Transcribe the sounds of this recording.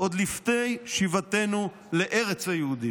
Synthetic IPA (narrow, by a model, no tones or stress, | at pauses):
ʔod̪liftejʃivat̪enu | leʔeʁet͡shajehud̪i